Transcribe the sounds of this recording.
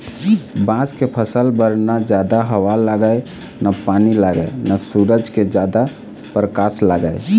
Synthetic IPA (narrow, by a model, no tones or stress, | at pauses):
bãskepʰəsəlbəɾnad͡ʒad̪aɦəʋalaɡəj | napanilaɡə̰jnasuɾəd͡ʒked͡ʒad̪a | pɾəkaslaɡəj